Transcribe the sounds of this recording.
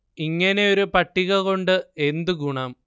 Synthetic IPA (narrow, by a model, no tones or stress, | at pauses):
iŋːɐne̞o̞ɾupɐʈːiɣɐɣo̞ɳɖɨe̞nd̪uɡuɳaːm